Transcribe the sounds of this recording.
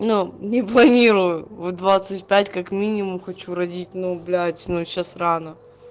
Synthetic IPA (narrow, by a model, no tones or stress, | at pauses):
nunʲɪplˠɐnʲiɾʊjʊvod̪vat̪sɨtʲpʲætʲkɐkmʲinʲɪmʊmxɐt͡ɕuɾɐdʲitʲnʊʊblʲajʲsʲnuɕasranə